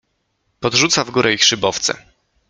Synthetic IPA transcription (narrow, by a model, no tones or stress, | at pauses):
pɔd̪ʐut̪savɡuɾʔɛixʂɘbɔft̪sɛ̰